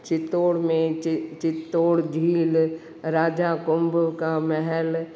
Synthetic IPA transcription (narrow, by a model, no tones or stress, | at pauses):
t͡ʃɪt̪oːɽmẽt͡ʃɪt̪ːoːɽd͡ʒʱiːl | ɾaːd͡ʒakʊmbəkamɛɦɛl